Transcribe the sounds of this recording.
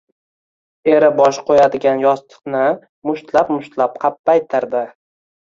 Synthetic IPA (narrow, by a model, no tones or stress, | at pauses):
e̞ɾɪbɒʃqʰojad̪ɪɡʲanjɒst̪ʰɨ̥qnɪ | mʊʃt̪lapmʊʃt̪lap̚qʰɑpːajt̪ʰɪɾd̪ɪ